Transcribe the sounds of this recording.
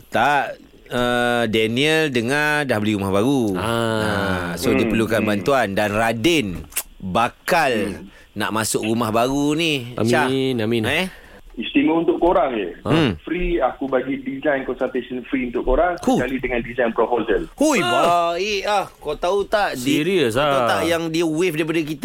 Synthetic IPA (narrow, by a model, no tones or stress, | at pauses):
t̪aʔ | ədɛniəldəŋadahbəliɾumahbaɾuasodipərlukanbant̪uandanradɪn | bakal | na̰ʔmasʊkrumahbaɾunia̰mt͡ʃanaminɛ | ist̪iməunt̪ʊʔkoɾaŋəfɾiakubaɡidizajnkɔnsəɾt̪esənfɾiunt̪ʊʔkoɾaŋskukalidəŋãndizajnpɾopozəlhujbaaiahkot̪aut̪aʔdiɾisaaut̪aʔjaŋdiəwefdaip̬adəkit̪